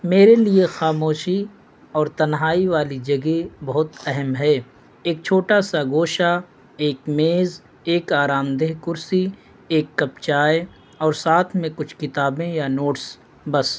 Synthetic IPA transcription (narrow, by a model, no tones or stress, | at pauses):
meːɾeliexaːmoːʃi | ɔːɾt̪ɐnɦaːiʋaːlid͡ʒɐɡebɐɦʊt̪ɛɦɛmɦɛː | eːk̚t͡ʃʰoːʈasaɡoːʃa | eːkmeːz | eːkaːɾaːmd̪eɦkʊɾsi | eːkːɐpt͡ʃaːe | ɔːɾsaːt̪ʰmẽkʊt͡ʃʰkɪt̪aːbẽjanoːʈs | bɐs